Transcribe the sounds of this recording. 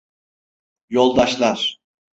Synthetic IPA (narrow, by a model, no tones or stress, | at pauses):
jo̞lˠd̪aʃlˠaɾ̥